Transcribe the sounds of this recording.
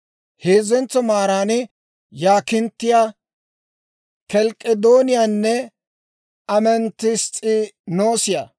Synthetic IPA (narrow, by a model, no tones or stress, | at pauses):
heːzɛnt͡sːɔmaːɾaːnɪ | jaːkɪnt̪ːɪjaː | kɛlkʼːɛd̪oːnɪjaːnːɛ | ɐmɛnt̪ːɪst͡sʼɪnoːsɪja